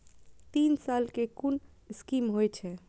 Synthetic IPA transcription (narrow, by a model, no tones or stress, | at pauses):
t̪insalkekun | skimɦojt͡ʃʰɛ